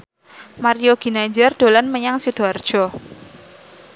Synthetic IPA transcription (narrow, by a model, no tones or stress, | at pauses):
maɾijoɡ̥i̤nad͡ʒɛrd̪̥o̤lanməɲaŋsud̪̥ɔ̤rd̥ʒ̥ɔ